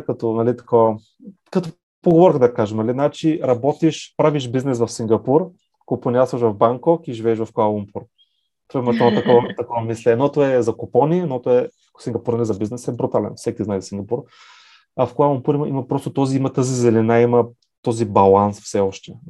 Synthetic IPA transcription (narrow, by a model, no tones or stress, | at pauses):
kɐt̪ɔnɐlit̪ɐ̥kovɐ | kɐt̪ɔ | poɡovɔɾxəd̪ɐkaʒɛmnɐlinat͡ʃiɾɐbɔt̪iʃpɾaviʃbiznɛsvɐfsiŋɡɐpuɾ | koponʲiaɾsvɐʃvɐvbaŋkɔkiʒivɛːʃvɐfkoalˠumpʰuɾ | t̪oaimɐt̪ɔt̪ɐkɔvɐt̪ɐkɔvɐmislɛnɔt̪oɛzɐkopɔninɔt̪oɛ | siŋɡɐpuɾnɐlizɐbiznɛsɛbɾut̪alɛ̰nfsɛkiznajzɐsiŋɡɐpuɾ | ɐfkoalˠumpuɾimimɐpɾɔst̪ot̪ɔziimɐt̪azizɛlɛnaimɐ | t̪ɔzibɐlˠansfsɛɔʃt̪ɛ